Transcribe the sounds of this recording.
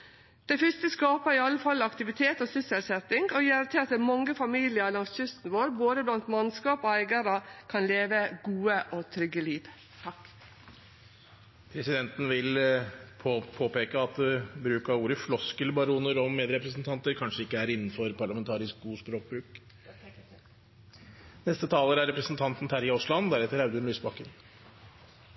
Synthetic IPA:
d̪̥ɛɪfʏst̪əskɑːpəɾɪɑlːəfɑlːɑkt̪ɪʋɪt̪ʰeːt̪oːsʏsɛlsɛt̪ɪŋɡɔjeːɾt̪ʰɪɑt̪d̪ɛmɑŋːəfɑmiːlɪəɾlɑŋsçʏst̪n̩ʋoːɾboːd̪əblɑnt̪mɑnskɑːpoːæɪɡəɾəkʰɑnleːʋəɡuːəʔoːt̪ʰɾʏɡəliːʋ | t̪ʰɑk | pʰɾɛsɪd̪ɛnt̪n̩ʋɪlʰ | pʰoːpeːkəɑt̪̚d̪ɛbɾʉːkɑuːɾəflɔskəlbɑɾuːnəɾɔmeːd̪ɾɛpɾəsnt̪ʰɑnt̪əɾkʰɑnʂəɪkːəæɾɪnːn̩fɔɾpʰɑɭɑmɛnt̪ʰɑːɾɪsk̚ɡuːspɾoːk̚bɾʉːk | nɛst̪ət̪ʰɑːləɾæɾɛpɾəsn̩t̪ʰɑnt̪n̩t̪ʰæːɾɪʊslɑnd̪æɾhɛt̪ːəɾɑʉd̪ʉɳlyːsbɑkːən

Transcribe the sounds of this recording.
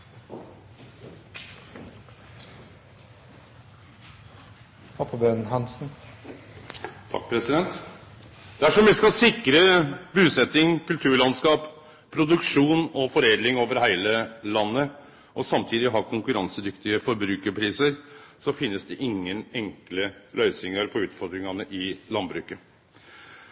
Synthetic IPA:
hʰɔpʰɔbønn̩ɦɑnsn̩ | t̪ʰɑ̰k̚ːpʰɾɛsɪd̪ɛnt̪ | d̪æʂɔmʋɪskɑsɪkːɾəbʉːsɛt̪ɪŋkʉlt̪ʰʉːɭɑnskɑːp | pʰːɾʊd̪ʉkʂuːnɔfɔɾeːd̪lɪŋoːʋəɾhæɪləlɑnːə | ʔɔsɑmt̪ʰiːd̪ɪɦɑkʰʊŋkʉɾɑŋsəd̪ʏkt̪ɪəfɔɾbɾʉːkəɾpʰɾiːsəɾsɔfɪnːəsd̪ɛʔɪŋːənɛŋkləlœʏsɪŋɑɾpʰɔʉːt̪fɔɾd̪ɾɪŋɑnəʔɪlɑnbɾʉːkə

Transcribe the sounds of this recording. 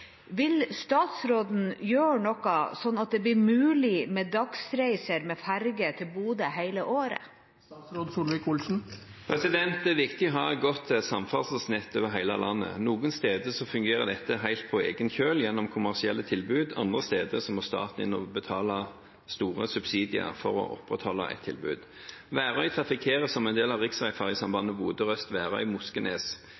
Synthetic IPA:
ʋɪlst̪ɑːt̪sɾoːd̪n̩jøːɳɔkɑsɔnːɑt̪̚d̪ɛːblɪɾmʉːlɪmeːd̪ɑksɾæɪsəɾmɛːfæɾɡət̪ʰɪlbuːd̪əhæɪləʔoːɾə̰ | ɾoːd̪suːlʋɪkulsn̩ | pʰɾɛsɪd̪ɛnt̪ɛʋɪkt̪ɪɦɑʁɡɔt̪ːsɑmfɑlssnɪt̪ːøːʋəɾɦæɪlɑ̰lʔɑnːə̰nuːɡənst̪eːd̪əsɔfʉŋɡeːʁəd̪ɛt̪ːəɦæɪlt̪̚pʰɔeːɡənçøːljɛnːɔmkʰʊmæʁsɪɛlːət̪ʰɪlbʉːd̪ɑnd̪ʁəst̪eːd̪əsɔmɔst̪ɑ̰ːt̪n̩ɪnɔbət̪ʰɑːlɑ | st̪uːʁəsʉbsiːd̪ɪə̰ʁfɔɾɔ̰ʔɔ̰pʁɛt̪hɔlːɑ̰ʔɛ̰t̪ʰːɪ̰lbʉ̰ːd̪ | ʋæːʁœʏt̪ʰʁɑfɪkʰeːʁəsɔmɛnd̪eːlɑʋʁɪksʁæɪfæːʁɪsɑmbɑnːəbuːd̪əʁœst̪ʋæːʁœ̰ʏmʊskəneːs

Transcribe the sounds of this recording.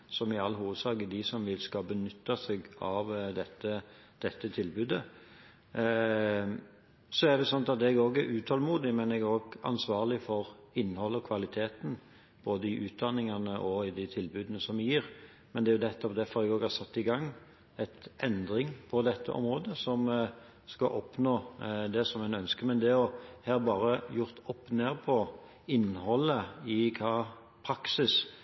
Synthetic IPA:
sɔmɪɑlːɦuːʋəd̪sɑːɡəd̪ɪsɔmʋɪlskɑbənʏt̪ːɑsɛɡɑʋd̪ɛt̪ːə | d̪̥ɛt̪ːət̪ʰɪlbʉːd̪ə | sɔæɖ̪ɛʊsɔnɑt̪ɑt̪ɛɡoːɡæɾʉːt̪ʰhɔlmuːd̪ɪmɛnɛɡæɾoːɡɑ̰nsʋɑːʁlɪfɔɾɪnːhɔlːəɔkʰʋɑlɪt̪ʰeːt̪n̩ | b̥oːd̪əɪʔʉːt̪̚d̪ɑnːɪŋɑnəʔɔɪd̪ɪt̪ʰɪlbʉːd̪ənəsɔmjiːɾ | mɛnd̪ɛæjʊd̪ɛt̪ːɔpd̪ɛfɔɾɛɡoːɡhɑsɑt̪ːɪɡɑŋː | ɛt̪ʔɛnd̪ɾɪŋpʰɔd̪ɛt̪ʰːə̰ʔɔ̰mɾoːd̪əsɔm | skɑʔɔpnoːd̪ɛsɔmɛnœnskəmɛnd̪ɛɔheːɾbɑːɾəjʊɾt̪ɔpːneːʁpʰɔ | ɪnːhɔlːəɪkʰɑː | pʰɾɑksɪs

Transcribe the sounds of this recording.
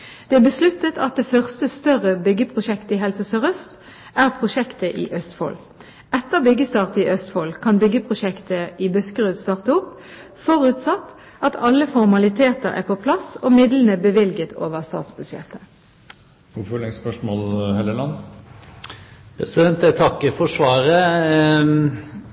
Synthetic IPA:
d̪̥ɛːæbəslʉt̪ːət̪ʰɑt̪̚d̪eːfœʁst̪əst̪œʁəbʏɡːəpʰʁʊʃɛkt̪əɪɦɛlsəsœʁœst̪ | ʔæːʁpʰʁʊʃɛkt̪əʔɪ̰ʔœst̪fo̰ːl | ɛt̪ːəʁbʏɡəst̪ɑːʁt̪əɪʔœst̪foːlkʰɑnbʏɡəpʰʁʊʃɛkt̪əɪbʉskəʁøːd̪st̪ɑːʁt̪əʊp | fɔʁʉːt̪sɑt̪ː | ʔɑt̪ʰɑlːəfɔʁmɑlɪt̪ʰeːt̪əʁæ̰ʁpʰopʰlɑsoːmɪd̪lənəbəʋɪlɡət̪ʰo̰ːʋəʁst̪ɑ̰ːt̪sbʉsɛ̰t̪ə | ʊfɔlɛspœʂmoːlhɛləlɑn | pʰɛsɪd̪ɛnt̪æt̪ʰɑkːəfɔʂʋɑːɾə

